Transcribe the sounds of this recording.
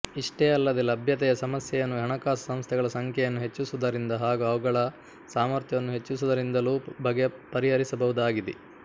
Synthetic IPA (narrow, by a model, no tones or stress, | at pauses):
iʂʈeːɐlːɐd̪elɐbʱjɐt̪ɛjɐsɐmɐsjɛjɐnːuɦɐɳɐkaːsɐsɐmst̪ʰɛɡɐɭɐsɐŋkʰjɛjɐnːuɦe̞t͡ʃːusud̪ɐɾind̪ɐɦaːɡuɐʋuɡɐɭɐ | saːmɐɾt̪jɐʋɐnːuɦe̞t͡ʃːusud̪ɐɾind̪ɐluːbʱɐɡepɐɾiɦɐɾisɐbɐʋud̪aːɡid̪e